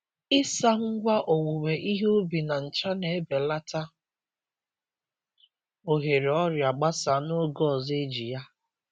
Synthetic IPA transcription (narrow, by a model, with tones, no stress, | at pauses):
ɪ˦sa˦ŋ̩˦ɡʷa˦ʔo˨wu˨we˨ʔi˦ɦo˦bi˨na˨n̩˨t͡ʃa˦ne˨e˦be˨la˦ta˦ | o˨ɦe˨ɾe˨ɔ˦ɾja˨ɡ͡ba˦sa˨no˦ɡɔ˦˨ze˦d͡ʒi˨ja˦